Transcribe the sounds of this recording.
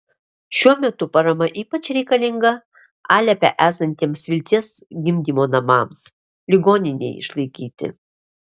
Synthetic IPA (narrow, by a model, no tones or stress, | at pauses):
ʃʲuɔmʲɛt̪ʊpɐɾɐmɐʔiːpɐt͡ʃɾʲɛɪkɐlʲɪŋɡɐ | ɑːlʲɛpʲɛ̰ʔæːsɐnʲt̪ʲiɛmsʋʲɪlʲt̪ʲiɛs | ɡʲɪmʲd̪ʲimoːnɐmɑːms | lʲɪɡoːnʲɪnʲɛ̰ɪɪ̰ʃlˠɐɪkʲiːt̪ʲɪ̰